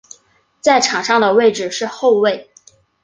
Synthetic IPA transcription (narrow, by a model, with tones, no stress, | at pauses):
t͡sa˥˩ɪʈ͡ʂʰɑ˨˩ŋʂɑ˥˩ŋd̪ə˩we˥˩ɪʈ͡ʂɻ̩˨˩ʂɻ̩˥˧xo˥˧ʊwe˥˩ɪ